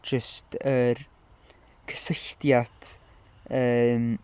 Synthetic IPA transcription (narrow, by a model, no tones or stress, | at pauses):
d͡ʒəstʰər | kʰə̥sɪçtjat | əːm